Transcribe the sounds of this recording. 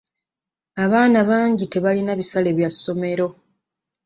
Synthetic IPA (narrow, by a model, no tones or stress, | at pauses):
aβaːnaβaːɲɟite̞βalinaβisale̞ːβjasːo̞me̞ɾo̞